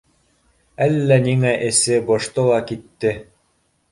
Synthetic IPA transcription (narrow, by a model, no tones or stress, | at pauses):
ælːæniŋæʔɘ̆sɘbŏʃt̪ɤlˠɑkit̪ːɘ